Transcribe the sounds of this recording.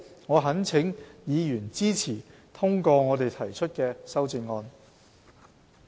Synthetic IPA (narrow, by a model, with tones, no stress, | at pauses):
ŋɔː˨˧ɦɐ˨˥nt͡sʰɪ˨˥ŋjiː˨˧jyː˨˩nt͡siː˥t͡sʰiː˨˩ | t̪ʰʊ˥ŋkɔː˧ŋɔː˨˧t̪e˨jt̪ʰɐ˨˩jt͡ʃʰɵ˥t̚kɛː˧sɐ˥wt͡sɪ˧ŋːɔː˧n